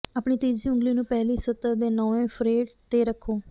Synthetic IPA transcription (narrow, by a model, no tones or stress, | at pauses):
apɳiːt̪iːd͡ʒiːʊ̃ŋɡliːnũːpɛːliːsət̪əɾd̪eːnɔːʋẽːpʰɾeːʈt̪eːɾəkʰːoː